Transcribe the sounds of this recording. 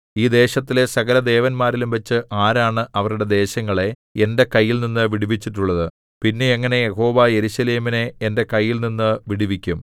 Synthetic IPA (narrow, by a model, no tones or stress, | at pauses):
iːd̪e̞ːɕɐt̪ːile̞sɐɣɐlɐd̪e̞ːʋɐnmaːɾilumʋɐt͡ɕːɨʔaːɾaːɳɨʔɐʋɐɾuɽe̞d̪e̞ːɕɐŋːɐɭe̞ | ende̞kɐjːilninːɨʋiɽiʋit͡ɕːiʈːuɭːɐðɨ | pinːe̞ːŋːɐne̞jeɦo̞ːʋɐje̞ɾuɕɐle̞ːmine̞ːnde̞kɐjːilninːɨʋiɽiʋikʲːum